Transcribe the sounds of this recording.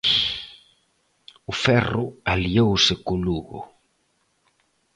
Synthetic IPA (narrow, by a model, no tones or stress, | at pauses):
ʊfɛrʊaliowsɪkʊluɣʊ̰